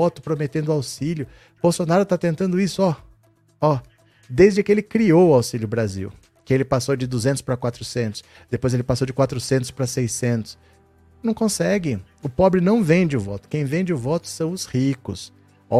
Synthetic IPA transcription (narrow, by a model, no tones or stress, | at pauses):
ɔt̪ʊpɾomet̪ẽnd̪ʊawsiljʊ | b̥owsonaɾʊt̪at̪ẽnt̪ɐ̃nd̪ʊisʊɔ | ɔ | d̪ejzd͡ʒɪkɪelɪkɾiowʊawsiljʊbɾazḭw | kɪelɪpasowd͡ʒɪd̪uzẽʊ̥spɾɐkwat̪ɾʊsẽnt̪ʊ̥s | d̪epojzelɪpasowd͡ʒɪkwat̪ɾʊsẽnt̪ʊ̥spɾɐsejsẽnt̪ʊ̥s | nɐ̃w̃kõsɛɡɪ̃ | ʊpɔbɾɪnɐ̃w̃vẽd͡ʒɪʊvɔ̰t̪ʊ̥kẽj̃vẽd͡ʒɪʊvɔt̪ʊ̥sɐ̃w̃ʊshikʊs | ɔ